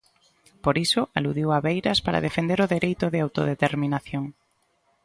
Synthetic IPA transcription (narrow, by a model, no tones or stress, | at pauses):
poɾisʊʔaluðiwaβejɾɐspaɾa̰ðefend̪eɾoðeɾejt̪ʊðɪawt̪o̰ðet̪eɾminaθjoŋ